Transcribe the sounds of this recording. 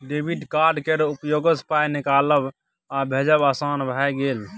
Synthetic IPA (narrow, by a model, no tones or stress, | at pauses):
ɖebʱiɖkaɾɖkeɾupjoɡəspajnikaləb | abʱed͡ʒəbasanbʱajɡel